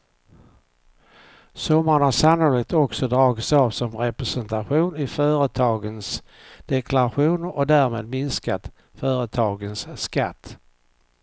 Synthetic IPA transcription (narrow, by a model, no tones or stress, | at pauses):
sɔmːaɾənhaʂanɔlɪɡ̚t̪ɔksɔd̪ɾɑːɡɪt̪sɑːvsɔmɾɛpɾɛsɛnt̪aɧuːnɪfœːɾət̪ʰɑːɡəns | d̪̥ɛkʰlaɾaɧuːnəɾɔd̪æɾmeːd̪mɪnskat̪ | fœːɾət̪ʰɑːɡənsːka̰t̪ː